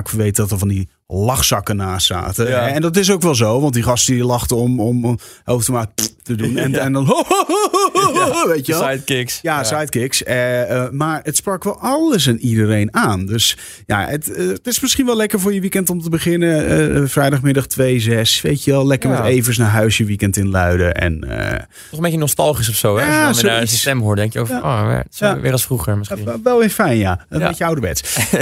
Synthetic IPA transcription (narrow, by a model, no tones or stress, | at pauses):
kʋejtdɔtəɹvɑndi | lɑχsɑkənaːsa̰ːtəɛndɔt̬ɪs̬owkʋɛlˠzowʋɑntdiχɑstəiilɑχtəɔmɔmhowftəmatədunɛnɛnɔno | ʋejtəʋɛlˠjtkɪksjasajtkɪksəmaːɹətsprɑkʋɛlˠɑlˠəs̬anidərejnaːndøs | ja̰əttɪsmɪsχinʋɛlˠɛkəɹvʊːɹjəʋikɛntomtəbəχɪnəfrɛjdɑχmɪdɑχtʋejzɛsʋejtjəʋɛlˠlɛkəɹmɛtejvəs̬naːɦœɥsjəʋikɛntɪnlœɥdəʔɛ̰nə̰ | ɔmbejcənostɑlˠχis̬ɔfsowɛaosstɛmɦoːdɛŋkjəo̰vo̰ʋɪ̰saʋɪːɾɑsfruxəɹmɪsiʋɛlˠɪnfɛjnjaəbejəawdəbɛ̰ts